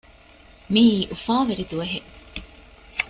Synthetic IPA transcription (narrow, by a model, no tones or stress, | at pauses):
miːʔufaːʋeɾid̪uʋɐɦe